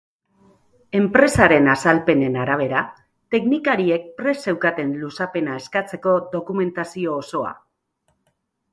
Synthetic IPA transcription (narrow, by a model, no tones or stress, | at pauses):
e̞mpɾe̞saɾe̞nasalpe̞ne̞naɾaβ̞e̞ɾa | t̪e̞knikaɾie̞k̚pɾe̞se̞wkat̪e̞nlusape̞nae̞skat͡se̞ko̞ðo̞kume̞nt̪asio̞ːso̞a̰